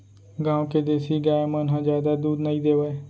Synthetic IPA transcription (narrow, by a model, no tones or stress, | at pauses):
ɡãːõked̪eːsiːɡaːmənɦãːd͡ʒjaːd̪aːd̪uːd̪nəĩːd̪eːʋeː